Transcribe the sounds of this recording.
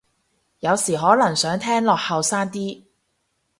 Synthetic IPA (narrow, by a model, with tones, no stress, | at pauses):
jɐ˨˧wsiː˨˩ɦɔː˨˥lɐ˨˩ŋsœː˨˥ŋt̪ʰɛː˥ŋlɔː˨k̚hɐ˨wsaː˥ŋt̪iː˥